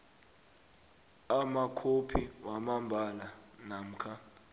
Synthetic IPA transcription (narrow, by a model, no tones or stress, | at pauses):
amakʰopʰiwamambʱalanam̩kʰa